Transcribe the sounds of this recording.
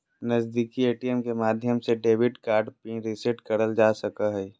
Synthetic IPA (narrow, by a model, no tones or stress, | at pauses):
nəzd̪iːkieːʈijɛmkemaːd̪ʱjəmseɖeːʋɪʈkaːɾɖpĩɾɪseʈkəɾəld͡ʒaːsəkaɦɛː